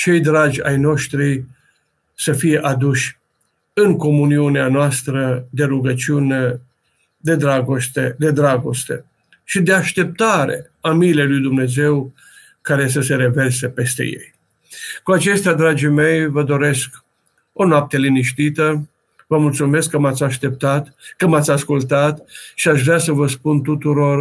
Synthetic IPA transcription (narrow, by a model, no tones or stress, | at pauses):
t͡ʃe̞jd̪ɾad͡ʒʲa̰jno̞ʃt̪ɾi | səfije̞ʔad̪uʃʲ | ɨŋko̞muniuneanoast̪ɾəd̪e̞ɾuɡət͡ʃiune | d̪e̞d̪ɾaɡo̞st̪ed̪e̞d̪ɾaɡo̞st̪e̞ | ʃid̪e̞aʃt̪e̞p̚t̪aɾe̞̰ | amilejlujd̪umne̞ze̞w | kaɾe̞s̬əse̞ɾe̞ve̞rsepest̪e̞̰je̞̰j | kuat͡ʃe̞st̪ead̪ɾad͡ʒime̞jvəd̪o̞ɾe̞sk | o̞noap̚t̪e̞liniʃt̪it̪ə | vəmult̪sume̞skːəmat̪sʲaʃt̪e̞p̚t̪at̪kəmat̪sʲaskult̪at̪ʃiaʃvɾeasəvəspunt̪ut̪uɾo̞r